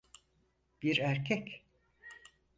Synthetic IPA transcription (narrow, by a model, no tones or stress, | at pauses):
b̥iɾæɾcʰɛc